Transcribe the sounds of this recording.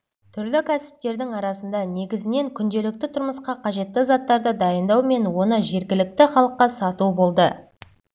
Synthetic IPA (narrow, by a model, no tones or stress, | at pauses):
t̪ʰʏɾlɪkʲʰæsɪ̥p̚t̪e̞ɾd̪ɪŋɑɾɑsənd̪ɑne̞ɡʲɪzɪne̞ŋkʲʰʏnd̪e̞lɪk̚t̪ɪt̪ʰʊɾməsqɑqʰɑʒe̞t̪ːɪzɑt̪ːɑɾd̪əd̪ɑjənd̪ɑwme̞nwo̞nəʒe̞ɾɡʲɪlɪk̚t̪ɪχɑlˠəqːɑsɑt̪ubo̞lˠd̪ə